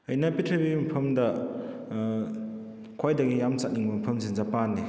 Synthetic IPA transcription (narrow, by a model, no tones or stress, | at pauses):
ɐjnapitʰɾebimɐpʰɐmdɐ | kʰwajdaɡijamt͡ʃak̚niŋbamapʰɐmsinzapanːi